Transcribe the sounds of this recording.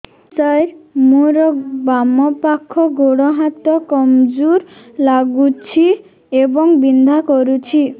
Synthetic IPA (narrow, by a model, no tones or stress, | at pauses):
t͡ʃajɾmuɾɔbamɔpakʰːɔɡoɽɔɦat̪ɔkɔmd͡ʒuɾ | laɡut͡ʃʰi | ebɔŋbind̪ʱakɔɾut͡ʃʰi